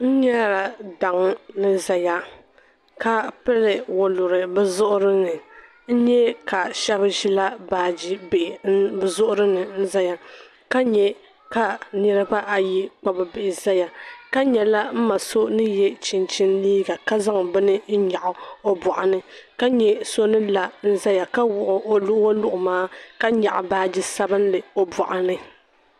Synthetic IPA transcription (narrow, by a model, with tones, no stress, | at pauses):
n̩˦ɲɛ˦ɾa˨da˨ŋ˦nɨ˦za˨ja˦ | ka˦pɨ˦lɨ˨wo˨lʊ˨ɾɨ˨bɛ˦zʊ˦ʔʊ˦ɾɨ˦nɨ˨ | n̩˦ɲɛ˦ka˨ʃɛ˦βɨ˦ʒi˦la˦baː˨d͡ʒi˦be˨bzʊ˦ʔʊ˦ɾɨ˦nɨ˨n̩˦za˦ja˦ | ka˦ɲɛ˦ | ka˨nɨ˦ɾɨ˦ba˦ʔa˨ji˦k͡pa˨bɨ˨bɪ˨ʔɪ˨za˦ja˨ka˦ɲɛ˨la˦m̩˦ma˨so˦nɨ˦jɛ˦t͡ʃɪ˨nt͡ʃɪ˦nliː˦ɡa˨ka˦za˦ŋ˨bɨ˦nɨ˦n̩˦ɲa˨ʔʊ˨o˦bʊ˨ʔʊ˨nɨ˦ka˦ɲɛ˨˦so˦nɨ˦la˨n̩˦za˦ja˨ka˦wʊ˨ʔʊ˨ʔo˦lʊ˦ʔo˦lʊ˦ʔʊ˨maː˦ka˦ɲa˨ʔʊ˨baː˦d͡ʒi˦sa˦bɨ˦n˦lɨ˨o˨bɔ˨ʔʊ˨nɨ˦